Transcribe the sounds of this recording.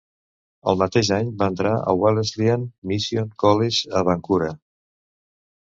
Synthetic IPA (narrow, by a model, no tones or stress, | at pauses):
ə̰lˠmət̪eʒaɲbaənt̪ɾaə̰walezlianmisionkɔleʒəβaŋkuɾə